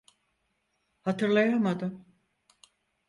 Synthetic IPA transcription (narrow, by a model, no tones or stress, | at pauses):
hat̪ʰɯɾlˠajamad̪ɯm